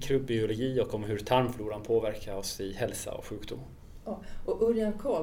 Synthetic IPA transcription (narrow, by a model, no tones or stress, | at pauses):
kʰɾɵb̚bɪʊlʊɡiːɔkɔmɦɵɾt̪ʰaɾmfluːɾanpʰoːvæɾkʰaɾɔsɪhɛlsa̰ɔ̰kɧʉ̟ːkd̪ṵmː | ɔʔɵɾjankʰɔː